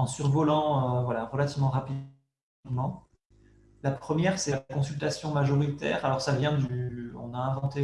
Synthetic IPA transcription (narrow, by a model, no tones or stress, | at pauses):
ɑ̃syʁvɔlɑ̃øvwalaʁəlat̪ivmɑ̃ʁapi | mɑ̃ | lapχəmjɛʁsɛakɔ̃sylt̪asjɔ̃maʒɔʁit̪ɛ̰ːʁalɔʁsavjɛ̃d̪yyɔ̰̃naɛ̃vɑ̃t̪e